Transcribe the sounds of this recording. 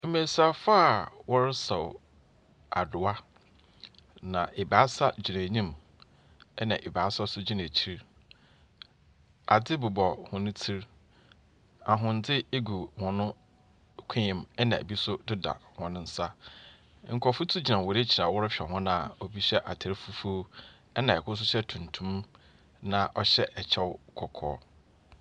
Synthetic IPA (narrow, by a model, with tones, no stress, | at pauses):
m̩˦me˨sa˦˨fa˦˨wɔ˦ɾɪ˦sɔ˨w | a˨dʊ˨a˦ | nã˨ʔe˨baː˨˦sa˦d͡ʑi˨ɾã˨ɲĩ˦m | ɛ˦nã˨ʔe˨baː˨˦sa˦sʊ˦d͡ʑi˦nã˨t͡ɕʰi˦ɾ | a̰˨dɪ˦bʊ˨bɔ˨hʊ̃˨nʊ̃˦tʰi˦ɾ | a˨ɦʊ̃˨n̩˨˦d͡zɪ˦e˦ɡu˨wɔ̃˨nʊ̃˦ | kʷʰẽ˦ɪ̃˨mɛ˦nã˨ḛ˨bi˦sʊ˦dʊ˦da̰˨wɔ̃˨nʊ̃˦n̩˦sa˦ | ŋ̩˨kʰɔ˨fʊ˦tʰu˦d͡ʑi˨nã˨wɔ˨ɾe˦t͡ɕʰi˨ɾa˨wʊ˦ɾʊ˦ɕᶣɛ˨hɔ̃˦nã˦˨ɔ˨bi˦ɕɛ˦ʔa˨tʰɪ˨ɾɪ˦fu˦fu˦ | ɛ˦nã˨ɛ˨kʰʊ˦s̬ʊ˦ɕɛ˦tʰũ˨n˨tʰũ˦m | nã˨ʔɔ˦ɕɛ˦ʔɛ˨t͡ɕʰɛ˦wkʰɔ˨kʰɔ̰ː˨˦